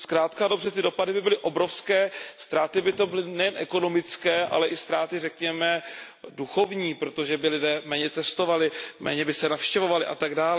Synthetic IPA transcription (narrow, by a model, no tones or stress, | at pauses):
skɾaːt̪kado̞brɛt̪ɪdopadɪbɪbɪlɪʔo̞bɾofskɛːst̪ɾaːt̪ɪbɪt̪o̞bɪlɪnɛjɛnʔɛko̞no̞mɪt͡skɛːʔa̰lɛʔɪst̪ɾaːt̪ɪrɛkɲɛmɛ | duxo̞vɲiːpɾot̪o̞ʒɛbɪlɪdɛːmɛːɲɛt͡sɛst̪o̞valɪmʔɛ̰ːɲɛbɪsɛnafʃcɛvo̞valɪʔa̰t̪aɡdaːlɛ